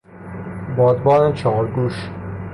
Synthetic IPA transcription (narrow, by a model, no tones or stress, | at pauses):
bɒːd̪bɒːnet͡ʃʰɒːɾɡuʃ